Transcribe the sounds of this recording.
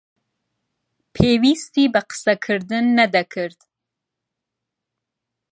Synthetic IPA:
pʰeːwist̪ibəqə̥sakʰɨɾd̪ɨnːad̪akʰɨɾd̪̥

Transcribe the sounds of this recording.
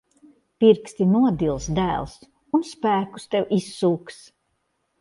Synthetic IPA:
piɾkst̪inuɔd̪ilˠsd̪æ̰ːlˠs | unspæːku̥st̪ɛwʔisːuːks

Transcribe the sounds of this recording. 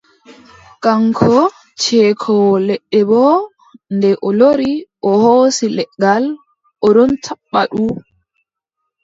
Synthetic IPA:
kaŋkʰɔ | t͡ʃɛːkʰɔwlɛɗːɛbɔ | ndɛʔɔloɾiʔɔhoːsilɛɡal | ʔɔɾɔntʰaɓːaɗuː

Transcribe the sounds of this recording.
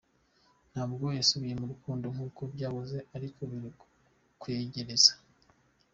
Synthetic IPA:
n̥haːbɡo̞jasuβije̞muɾukuːndo̞ŋ̥uːkobɟaːβoze̞aɾiko̞βiɾi | kweːɟeɾez̥ḁ

